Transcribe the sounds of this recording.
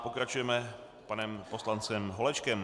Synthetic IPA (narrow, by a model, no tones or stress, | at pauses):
po̞kɾat͡ʃujɛmɛ | panɛmposlant͡sɛmɦo̞lɛt͡ʃkɛm